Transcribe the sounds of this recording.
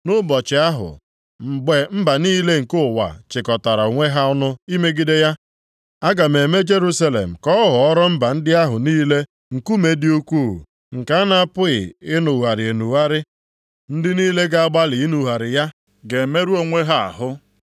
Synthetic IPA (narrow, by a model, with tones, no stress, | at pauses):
nʊ˦bɔ˨t͡ʃɪ˨a˦ɦʊ̰˨ | m̩˨ɡ͡be˨m̩˦ba˨niː˦le˦ŋ̩˨kʊ˦˨wa̰˨t͡ʃɪ˨kɔ˨ta˨ɾa˨o˨ŋʷe˦ɦa˦ʊ˦nʊ˦i˦me˦ɡɪ˦de˦ja˦ | a˦ɡa˨me˨me˦d͡ʒe˦ɾu˦sa˦lḛ˨m̩˨kɔ˦ɦʊ˨ɔ˦ɾɔ˦m̩˦ba˨n̩˦dɪ˦a˦ɦʊ˨niː˦le˦ | ŋ̩˨ku˦me˨dɪ˦o˦kʷu˦˨ | ŋ̩˨ka˦a˦na˨a˦pʊ˦ɣɪ̰˨ɪ˦nʊ˨ɦa˨ɾɪ˨e˨nu˨wa˦ɾɪ˦ | n̩˦dɪ˦niː˦le˦ɡa˦a˦ɡ͡ba˦lɪ˨i˦nu˨ɦa˨ɾɪ˨ja˦ | ɡe˨me˦ɾu˦o˨ŋʷe˦ɦa˦a̰˨ɦʊ˦